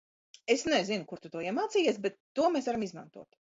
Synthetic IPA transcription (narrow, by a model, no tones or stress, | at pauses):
esnɛzinʊkuɾt̪ut̪uɔjiɛmaːt̪sijɛːsbɛt̪ːuɔmesvaɾamizma̰nt̪uɔt̪